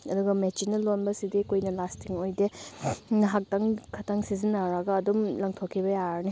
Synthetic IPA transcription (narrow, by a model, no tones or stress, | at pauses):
ɐduɡɐmet͡ʃinːɐlonbɐsidikojnɐlastʰiŋojdenɐɦak̚taŋkʰɐtaŋsizinːaɾɐɡɐːdumlɐŋtʰokʰːibɐjaɾni